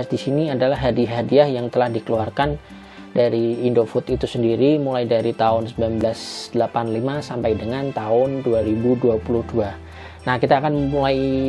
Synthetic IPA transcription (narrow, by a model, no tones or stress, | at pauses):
sdisiniadalaɦadiɦadiahjaŋt̪əlahdikəluarkan | daɾiːndofut̪it̪usəndiɾimulajdaɾit̪aʊnsəmbilanbəlasd̥əlapanlimasampajdəŋant̪aʊnduaɾibuduapuluhdua | nahkit̪aːkanmulaj